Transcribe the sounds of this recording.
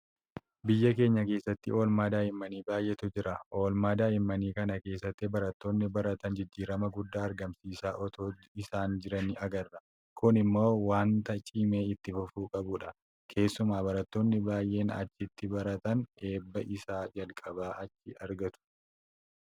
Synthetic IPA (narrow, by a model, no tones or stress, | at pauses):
bɪjːɐk̬e̞ːɲːɐke̞ːsːɐt̪ːɪo̞ːlmaːd̪aːɪmːɐniːbaːjʔɛt̪ʊd͡ʒɪɾɐʔo̞ːlmaːd̪aːɪmːɐniːkɐnɐke̞ːsːɐt̪ːɪbɐɾɐt̪ːo̞ːnːɪbɐɾɐt̪ɐnd͡ʒɪd͡ʒːiːɾɐmɐɡʊd̪ːaːɐɾɡɐmsiːsaːʔɔt̪oː | ɪsaːnd͡ʒɪɾɐnɪɐɡɐrːɐ | kʊnɪmːo̞ːwaːnt̪ɐt͡ʃʼiːme̞ːɪt̪ːɪfʊfuːkʼɐbʊᶑɐ | kʰe̞ːsːʊmaːbɐɾɐt̪ːoːnːɪbaːjʔe̞ːnɐ̰t͡ʃːɪt̪ːɪbɐɾɐt̪ɐne̞ːbːɐʔɪsaːd͡ʒɐlkʼɐbaːʔɐt͡ʃːɪɐɾɡɐt̪ʊ̥